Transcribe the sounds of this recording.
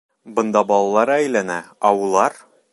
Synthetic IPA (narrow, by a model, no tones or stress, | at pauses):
bɤ̆nd̪ɑbɒlˠɑlˠɑɾɤæjlænæɒulˠɑɾ